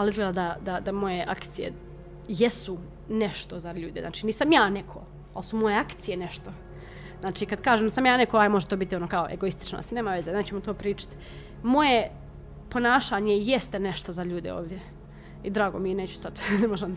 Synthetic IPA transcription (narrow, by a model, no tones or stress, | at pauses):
alˠizɡlʲed̪ad̪ad̪ad̪amo̞je̞ʔa̰kt̪sije̞̰ | jesu | neʃt̪o̞zaʎuːd̪ezna̰ːt͡ʃiːniːsamjaːnekʰo̰ | a̰lsumo̞je̞akt̪sije̞neʃt̪o̞ | znaːt͡ʃiːkad̪kaːʒemnd̪osamjaːnekoajmoʒet̪oːbit̪io̞noːkaoʔḛɡo̞ist̪i̥t͡ʃno̰st̪ineːmaʋe̞zeneːt͡ɕemot̪oːpɾiːt͡ʃḁt̪ | mo̞je | po̞naːʃaːɲejest̪eneʃt̪o̞zaʎuːd̪ḛo̰ːʋd̪ʲje | id̪ɾaːɡomineːt͡ɕu̥st̪at̪nemoʒem